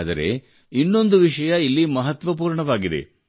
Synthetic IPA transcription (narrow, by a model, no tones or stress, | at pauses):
d̪ɐɾe̞̰ | inːo̞nd̪uʋiʂɐjɐilːimɐɦɐt̪ʋɐp̬uːɾɳɐʋaːɡid̪e̞̰